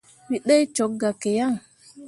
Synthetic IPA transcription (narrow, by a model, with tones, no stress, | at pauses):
ɾi˦ɗe˦jt͡ʃo˨˦k̚ɡa˨ke˨ja˦˨ŋ